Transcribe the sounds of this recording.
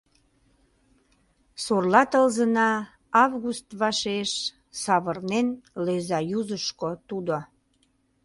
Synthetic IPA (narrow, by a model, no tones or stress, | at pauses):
sorlɑt̪əlzənɑ | ɑvɣust̪βɑʃeʃ | sɑβərnenlezɑjuzəʃkot̪ud̪o